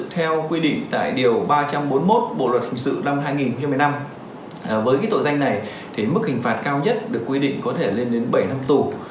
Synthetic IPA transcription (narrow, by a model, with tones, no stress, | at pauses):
t̪ʰɛ˧wkwi˧ɗḭ̈˧˨ŋ̟t̪a̰ː˧˨jɗi˨˩əwɓaː˧t͡ɕa˧mɓo˨˦nmo˦˥t̚ɓo̰˧˨lwə˨˩t̚hï˨˩ŋ̟sɨ̰˧˨na˧mɦaː˧jŋi˨˩nxo˧ŋ͡mt͡ɕa˧mːɨ˨˩jna˧mː˨˩ | vəː˨˦jkaː˨˦jt̪o̰˧˨za˧jŋ̟na˨˩j | t̪ʰi˨˩mɨ˦˥k̚hï˨˩ŋ̟faː˨˩t̚kaː˧wɲə˦˥t̚ɗɨ˨˩əkwi˧ɗḭ˧˨ŋ̟kɔ˨˦t̪ʰe˧˩le˧nɗe˨˦nɓə˧˩jna˧mt̪u˨˩